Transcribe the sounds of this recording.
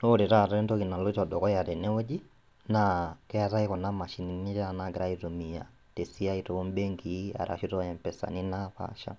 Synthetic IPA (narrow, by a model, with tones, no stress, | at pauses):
no˦ɾɛ˨ɾa˨ɾaɛ˦ntɔki˨na˨lɔ˦itɔdɔ˨kɔ˦ja˨ɾɛ˨nɛ˦ɔ˦d͡ʒi˦ | nakɛ˦a˨ta˦ikɔ˨na˦ma˨ʃi˨ni˨ni˦ɾanaɡɛɾa˦iɾu˨mi˨a̰˨ | tɛ˨si˦a˦itɔ˨u˦mbɛ˦ŋɡia̰˨ɾa̰˨ʃi˦ɾɔjɛ˨mpɛsa̰˨ninapa̰ʃa̰